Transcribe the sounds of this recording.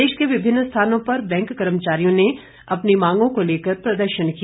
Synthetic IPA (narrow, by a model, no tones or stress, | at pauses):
eːʃkeʋɪbʱɪnːst̪ʰaːnõpɐɾbɛ̃ːŋkːɐɾəmət͡ʃaːɾijõne | ɐpnimãːŋɡõkoleːkəɾpɾɐd̪əɾʃənki